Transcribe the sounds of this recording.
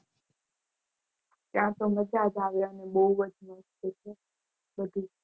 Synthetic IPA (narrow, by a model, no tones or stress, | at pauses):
t̪jãt̪oməd͡ʒad͡ʒaʋjanebəuʋəd͡ʒnost̪et͡ʃʰe | bəd̪ʱi